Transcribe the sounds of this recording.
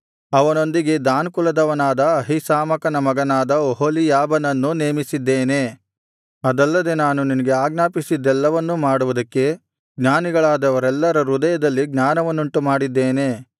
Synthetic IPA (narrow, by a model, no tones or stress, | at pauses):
ɐʋɐno̞nd̪iɡe̞d̪aːnkulɐd̪ɐʋɐnaːd̪ɐɐɦisaːmɐkɐnɐmɐɡɐnaːd̪ɐoɦolijaːbɐnɐnːuneːmisid̪ːeːne̞ | ɐd̪ɐlːɐd̪e̞naːnuninɐɡe̞aːɡnaːpisid̪ːɛlːɐʋɐnːumaːɽuʋud̪ɐkːe̞ | ɡɲaːniɡɐɭaːd̪ɐʋɐɾɛlːɐɾɐɾud̪ɐjɐd̪ɐlːiɡɲaːnɐʋɐnːuɳʈumaːɽid̪ːeːne̞